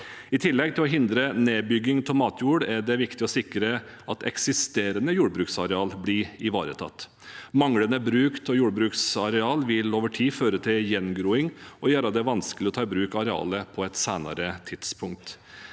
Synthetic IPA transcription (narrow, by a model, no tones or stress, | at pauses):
ɪt̪ʰɪlːɛɡ̚t̪ʰɪlɔɦɪnd̪ɾəneːbʏɡɪŋt̪ʰɔmɑːt̪ʰjuːɖæɖɛʋɪkt̪ɪɔsɪkɾə | ʔɑt̪ɛ̰ksɪst̪eːɾənəjuːɽbɾʉːksɑɾɛɑːlbɽɪɪʋɑːɾə̰t̪ʰɑ̰t̪ː | mɑŋɽənəbɾʉːkt̪ʰɔjuːɽbɾʉːksɑɾɛɑːlʋɪloːʋəʈʰiːføːɾət̪ʰɪljɛnɡɾuːɪŋɔjæːɾɑd̪ɛʋɑnskəlɪɔt̪ʰɑːɪbɾʉːkɑɾɛɑ̰ːləpʰɔɛt̪sæːnɑ̰ɾət̪ʰɪd̪̥spʰʊŋk̚t̪